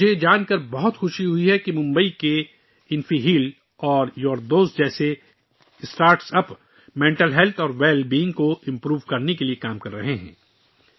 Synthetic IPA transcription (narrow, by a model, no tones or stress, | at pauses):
ed͡ʒaːnkɐɾbɔɦʊt̪xʊʃiɦʊiɦɛkimʊ̃mbəike | ɪnfiɦiːl | ɔːɾjɔːɾd̪oːzd͡ʒɛːse | ɪsʈaːɾʈsɐp | mẽːɳʈəlɦɛlt̪ʰɔːɾʋeːlbiːɪ̃ŋɡkoɪ̃mpɾuːʋkɐɾnekeliekaːmkɐɾːɐɦeɦɛ̰̃ː